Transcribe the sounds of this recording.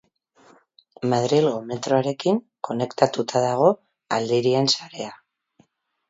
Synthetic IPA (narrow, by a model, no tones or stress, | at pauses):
maðɾilɣo̞me̞t̪ɾo̞aɾe̞kiŋ | ko̞ne̞kt̪at̪ut̪ʰaðaɣ̞o̞ | ald̪iɾie̞nsaɾe̞a